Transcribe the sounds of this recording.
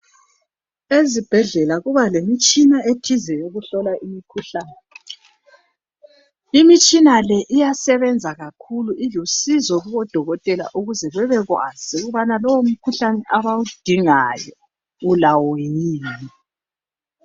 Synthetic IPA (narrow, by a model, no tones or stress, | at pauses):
ezib̥ʱɛɮɛlaɣuβalemit͡ʃʼinaetʰizɛjoɣuɬɔlaʔimikʰuɬaːnɛ | imit͡ʃʼinalɛʔijasɛβɛnd͡zʱaɣakʰuluʔilusizɔɣuβɔd̥ʱɔɣɔtʼɛla̰ʔuɣuzɛβɛβɛɣwa̰z̥iɣuβanalɔwom̩kʰuɬanɛʔaβawud̥ʱiŋajɔ | ulawɔjiːni